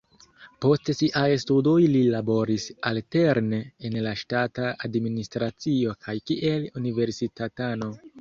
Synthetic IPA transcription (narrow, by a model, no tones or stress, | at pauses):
po̞stsiʔajstudo̞jlilabo̞ɾisalte̞ɾneenlaʃtataadministɾat͡sio̞kʰajkiʔe̞lunive̞ɾsitatano̞